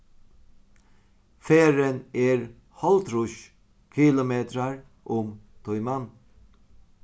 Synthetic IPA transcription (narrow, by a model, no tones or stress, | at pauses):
feːɾənɛːɹ | hɔlt̪ɾʊʃ | kʰɪlʊmeːt̪ɾaɹ | ʔʊmt̪ʰɔjman